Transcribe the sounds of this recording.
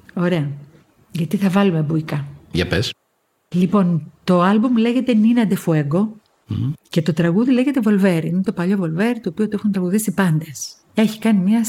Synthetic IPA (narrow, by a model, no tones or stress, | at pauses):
o̞ɾe̞ɐ | ʝɐt̪iθɐvɐlumebuikɐʝɐ̰pes | lipo̞nt̪o̞ɐlbumle̞ʝe̞t̪e̞ninɐnd̪efue̞ɡo̞ | ce̞t̪ot̪ɾɐɣuðile̞ʝe̞t̪e̞vo̞lve̞ɾiinet̪o̞pɐʎo̞vo̞lve̞ɾit̪oːpiot̪uexunt̪ɾɐɣuðisipɐnd̪e̞s | e̞çi̥kɐnimɲɐ